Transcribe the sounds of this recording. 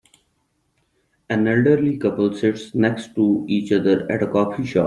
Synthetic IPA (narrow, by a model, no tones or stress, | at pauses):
ɛ̃nɛlɖəɾlikʌpəlsɪʈsnɛksʈʈːuiːt͡ʃʌd̪əɾɛ̰ʈəkɔːfiʃɔ̰ː